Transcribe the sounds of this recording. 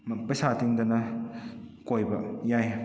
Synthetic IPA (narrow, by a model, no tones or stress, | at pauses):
mɐpɐjsatiŋdɐnɐ | kojbɐjaj